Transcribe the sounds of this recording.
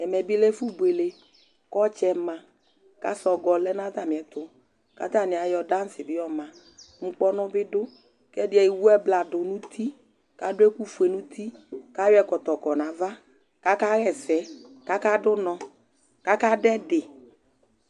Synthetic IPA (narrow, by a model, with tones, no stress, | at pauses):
ɛ˨mɛ˨bɪ˦lɛ˦fu˦be˨le˨ | kɔ˦t͡ʃɛ˨mã˨ | ka̰˦sɔ˨ɡɔ˨lɛ˦na˦t̪a˦˨mɪ˨ɛ˨t̪ʊ˨ | ka̰˨˦t̪a˦˨nɪ˨a˨jɔ˨da˦n̩˦sɪ˨bɪ˦jɔ˦mã˨ | ŋ͡m̩˦k͡pɔ˦nʊ˦bɪ˦dʊ˦ | kɛ˦dɪ˦ɛ˨i˨wu˦ɛ˦bla˨dʊ˨nũ˦t̪ʰi˦ | ka˦dʊ˦ɛ˦ku˦fu˨e˨nũ˦t̪ʰi˦ka˦jwɛ˨kɔ˨t̪ɔ˨kɔ˨nã˨va˦ | ka˦ka˦ɣɛ˨sɛ˨˦ka˦ka˦dʊ˦nɔ̃˨ | ka˦ka˦dɛ˦dɪ˨